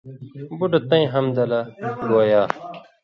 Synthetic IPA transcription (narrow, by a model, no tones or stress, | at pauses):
buɖɐt̪ɐ̃ĩɦɐmd̪ɐlɐɡoːjaː